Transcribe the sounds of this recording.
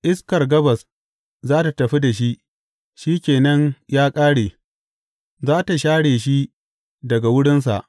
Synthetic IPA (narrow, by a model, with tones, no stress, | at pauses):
ʔɪ˦skɐ˨rɡɐ˦bɐ˨s | zaː˦ta˨tɐ˨ɸi˦da˨ʃ̬i˦ʔ | ʃi˦kʲeː˨nɐ˦ɲjaː˦kʼaː˦ɽeː˨ | zaː˦ta˨ʃaː˦ɽeː˨ʃi˦ | dɐ˨ɡa˨wʊ˦ɽɪ˦ns̬a̰˨ʔ